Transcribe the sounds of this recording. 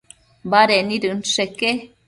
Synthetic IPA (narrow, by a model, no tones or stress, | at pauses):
baɾeniɾɨnseke